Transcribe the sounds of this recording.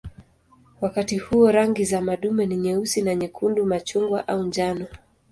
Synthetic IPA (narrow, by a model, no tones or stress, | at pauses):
wakatihuɔɾaŋɡizamaɗumɛniɲɛusinaɲɛkʰundumat͡ʃuŋɡwa̰ʔaund͡ʒanɔ